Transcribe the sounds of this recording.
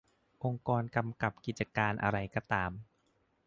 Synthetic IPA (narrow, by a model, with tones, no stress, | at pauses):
ʔo˧ŋkɔː˧nka˧mka˨˩p̚ki˨˩t̪̚t͡ɕa˧kaː˧nʔa̰˧ɾa˧jkɔ˧t̪aː˧m